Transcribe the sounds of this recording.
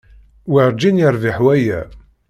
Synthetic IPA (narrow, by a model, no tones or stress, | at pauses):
wɪɾˤd͡ʒinjəɾˤvɪħwæjæ̰